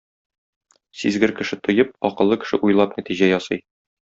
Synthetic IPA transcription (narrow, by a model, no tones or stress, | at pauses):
sizɡɘɾkɘ̆ʃɘt̪ŏjɤp̚ɒqɤ̆lˠːɤkɘ̥̆ʃɘ̰ʔujlˠɑpnæt̪iʑæjɒsɤj